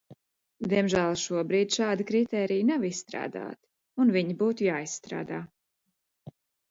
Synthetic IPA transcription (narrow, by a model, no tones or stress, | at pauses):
d̪ʲiɛmʒæːlˠʃuɔbɾiːd̪ʲʃaːd̪akɾit̪ɛːɾijnavissːt̪ɾa̰ːd̪a̰ːt̪ | unviɲibuːt̪ujaːisːt̪ɾa̰ːd̪aː